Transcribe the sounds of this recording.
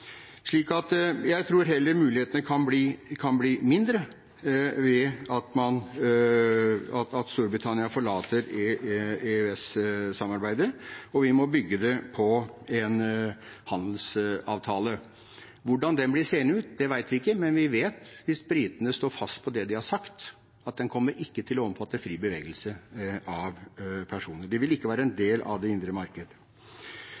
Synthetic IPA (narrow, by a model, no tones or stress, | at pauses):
ʂɭiːkɑt̪jæɪt̪ʰɾuːɾɦɛlːəɾmʉːlɪheːt̪ənəkʰɑnbliːkʰɑnbliːmɪnd̪ɾə | ʋɛɑt̪mɑn | ɑt̪ɑt̪st̪uːɾbɾɪt̪ʰɑnɪɑfɔɭɑːt̪əɾ | eʉɛssɑmɑɾbæɪd̪əɔʋɪmɔbʏɡːəd̪ɛpʰɔɛn | hɑnd̪l̩sɑ̰ːʋt̪ʰɑːlə | ʋʊɖɑnd̪ɛnblɪseːənəʉːt̪̚d̪ɛʋæɪt̪ʋɪɪkːəmɛnʋɪʋeːt̪ʋɪsbɾiːt̪ənəst̪oːɾfɑst̪̚pʰɔd̪ɛd̪ɪhɑɾʂɑkt̪ | ɑt̪̚d̪ɛnkʰɔmːəɾʔɪkːət̪ʰɪlɔɔmfɑt̪ːəfɾiːbəʋeːɡəlsəɑʋpʰæʂuːnəɖɛʋɪlɪkːəʋæːɾəɛnd̪eːlʔɑ̰ʋd̪ɛɪnd̪ɾəmɑɾkəd̪ə